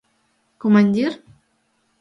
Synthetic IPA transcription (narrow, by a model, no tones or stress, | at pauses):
komanʲd̪ʲer